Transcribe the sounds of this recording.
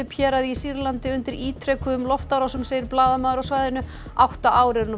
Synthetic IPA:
ɪpʰjɛːɾaðisiɾlant̪ɪʏnt̪ɪɾiːt̪ʰɾɛkʏðʏmlɔft̪aɾasʏmseːjɪɾplaːðamaːðʏɾawsvaːjðɪnʏ | awht̪aʔaːwɾɪɾn

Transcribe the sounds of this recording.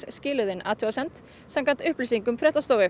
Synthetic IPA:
scɪːlʏðɪnaːt̪ʰuasɛn̥t̪ | samkan̥t̪ʏhpliːsiŋkʏmfɾɛht̪ast̪oːwvɪ

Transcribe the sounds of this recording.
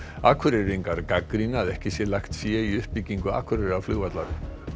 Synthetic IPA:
aːkʰvʏɾɪɾiŋkaɾkakɾinaaðɛhcɪsjɛlajxt̪sjɛiʏhpiciŋkʏa̰ːkʰvʏɾɪɾavflʏːɣvat̪laɾɪ

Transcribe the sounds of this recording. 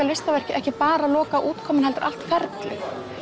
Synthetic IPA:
alvɪst̪avɛr̥cɪʔɛhcɪpaːɾalɔːkaʔuːt̪kʰɔːmɪnɦɛlt̪ʏɾʔa̰l̥t̪fɛɾt̪lɪx

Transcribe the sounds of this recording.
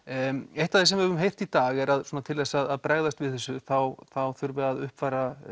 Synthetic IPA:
ejht̪aðθesɛmɛvʏmɦejr̥t̪it̪aːɣɛɾaðsɔːnat̪ʰɪlːɛsaðaðpɾɛɣðast̪vɪðθɛsːʏθawθawθʏɾvɛaðʏhpfaːɾa

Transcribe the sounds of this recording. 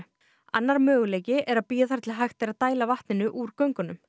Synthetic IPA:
a̰nːaɾmœːɣʏleːjcɪʔɛɾaðpiːjaθaɾ̥t̪ʰɪlɦajxt̪eɾaðt̪aːjlavaht̪nɪnʏʔuɾkœɥŋkʏnʏm

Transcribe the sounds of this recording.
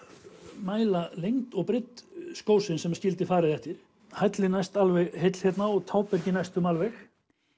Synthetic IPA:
maːjlalejŋt̪ɔɣpɾɪt̪skoːwsɪnsɛmscɪlt̪ɪfaːɾɪðɛht̪ɪɾ̥ | hajt̪lɪnajst̪alvɛɣhejt̪l̥çjɛt̪naɔɣt̪ʰaːwpɛɾcɪnajst̪ʏmalvɛx

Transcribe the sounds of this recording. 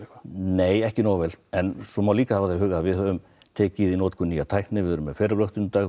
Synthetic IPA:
neːjɛhcɪnaːwvɛlɛnsɔmawliːkahavaðθejɦʏːɣavɪðʏm | t̪ʰeːcɪiðinoːwt̪kʰʏnːijat̪ʰajhknɪvɪðʏɾʏmːɛfɛːɾaplœwht̪ɪnt̪aːɣ

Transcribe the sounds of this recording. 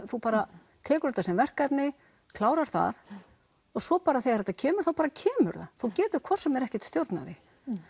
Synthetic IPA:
θupaːɾa | t̪ʰɛːkʏɾ̥ɛt̪asɛmvɛr̥kajpnɪ | kʰlaːwɾaɾ̥θa̰ð | ɔɣsɔpaːɾaθejaɾɛt̪acʰɛːmʏɾ̥θawpaːɾacʰɛːmʏ̰ɾða̰θuwcɛːt̪ʏ̥kʰvɔr̥sɛmɛɾɛhcɛt̪st̪jowɾt̪na̰ðɪ

